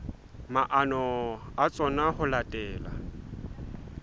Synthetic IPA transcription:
maʔanɔat͡sʼɔnahʊlatʼɛːla̰

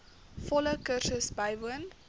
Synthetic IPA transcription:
fɔləkərsəsbɐjvuən

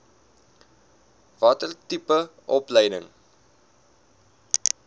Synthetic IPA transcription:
vɑtərtipəʔɔpləjdə̰ŋ

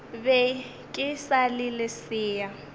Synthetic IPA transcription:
bɛ | kʼɪsalɪlɪsɪːja

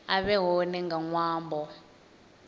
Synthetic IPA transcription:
aβɛɦonɛŋɡaŋwaːmbʱɔ

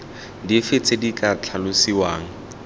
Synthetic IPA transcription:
difet͡sʼedikʼat͡ɬʰalʊsiwaːŋ̩

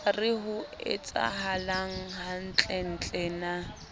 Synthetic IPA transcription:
arɪɦʊɪ̰t͡sʼa̰ɦalaŋ̩ɦan̩t͡ɬʼɛn̩t͡ɬʼɛna

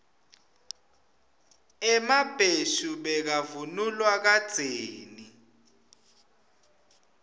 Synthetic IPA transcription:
ɛmab̥ʱeʃuɓɛk̬avunulwak̬ad̥z̥ʱeːni

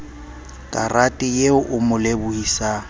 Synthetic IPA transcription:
kʼaratʼɪjeʊʔʊmʊlebʊhisa

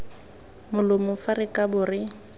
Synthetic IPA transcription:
mʊlʊmʊfarɪkʼabʊrɪ

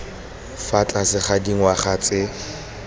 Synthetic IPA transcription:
fat͡ɬʼasɪχadiŋ̩waχat͡sʼɪ

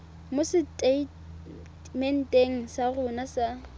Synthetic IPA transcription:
mʊsɪte | mɛn̩tʼeŋ̩sarʊnasa

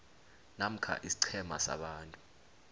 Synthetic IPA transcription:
nam̩kʰa̰ʔisi̥ǀʰɛma̰sa̰ɓaːntʼu̥

